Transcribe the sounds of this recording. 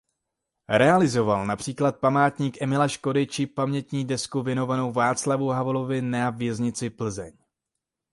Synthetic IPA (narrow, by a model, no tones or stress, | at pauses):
ɾɛalɪzo̞valnapr̝̥iːklat̪̚pamaːt̪ɲiːkʔɛmɪlaʃko̞dɪt͡ʃɪpamɲɛt̪ɲiːdɛskuvjɛno̞vano̞wvaːt͡slavuɦavlovɪnavjɛzɲɪt͡sɪpl̩zɛ̰ɲ